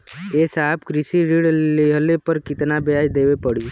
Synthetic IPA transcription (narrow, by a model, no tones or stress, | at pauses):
eːsaːbkɾɪsiɾiɽleɦəlepəɾkɪt̪nabeaːjd̪eːwepəɽ̤i